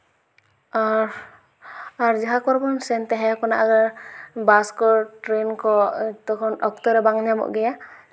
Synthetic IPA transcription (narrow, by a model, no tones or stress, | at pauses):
a | aɾd͡ʒaɦakɔɾbɔnsɛnt̪ɛɦɛkɔnaʔaɡaɾbaskɔʈɾenkɔt̪ɔkʰɔnɔkt̪ɔɾɛbaŋɲamɔ̰ʔɡɛja